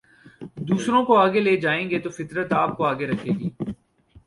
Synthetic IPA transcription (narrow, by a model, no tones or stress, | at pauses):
d̪uːsɾõkoaːɡeleːd͡ʒaːẽːŋɡet̪ofɪt̪ɾət̪aːp̚koaːɡeɾɐkʰeːɡiː